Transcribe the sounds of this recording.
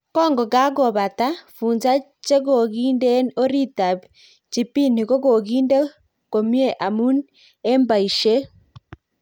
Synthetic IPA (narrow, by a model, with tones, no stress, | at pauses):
kɔː˦ŋɡɔ˨ɡa˦ɣo˨βa˨ta˦fuː˨nza˦ | t͡ʃe˦ɣo˨ɣi˦nde˦o˦ɾi˦ta˨b | t͡ʃi˨pi˦ni˨ɣo˦ɣo˨ɣiː˦nde˦ | ko˨mje˦ʔa˨mu˦n | e˦mba˨i˨ʃe˦